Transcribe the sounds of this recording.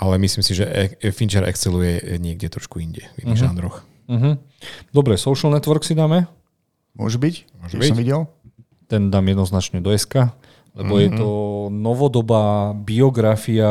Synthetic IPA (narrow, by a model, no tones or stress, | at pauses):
ʔalɛmisliːmsiʒɛɛfint͡ʃɛɾʔɛ̰kst͡silujɛɲɪɛɡɟɛt̪ɾɔʃkuiɲɟɛvinːiɣʒaːnd̪ɾɔx | m̩ɦm̩ | d̪ɔbɾɛsɔʊʃl̩nɛt̪ʋɔɾksid̪aːmɛ | mʊɔ̰ʒubicmɔʒɛbbisɔʋiɟɛl | t̪ɛnd̪aːmjɛd̪nɔznat͡ʃɲɛd̪ɔɛska | lɛbɔjɛt̪ɔnɔʋɔd̪ɔbaːbiɔɡɾafia